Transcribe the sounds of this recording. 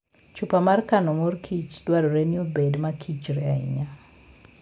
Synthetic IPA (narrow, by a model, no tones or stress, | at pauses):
t͡ʃupamarkanɔmorkʰit͡ʃdwaɾoɾeniobedmakʰit͡ʃɾɛaḭɲa